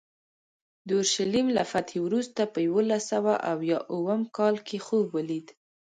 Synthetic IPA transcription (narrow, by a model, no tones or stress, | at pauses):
d̪əʊɾʃalimla̰fat̪ʰewɾust̪apəjwolasawaʔawjɑʔuwəmkɑlkʰexobwəlid̪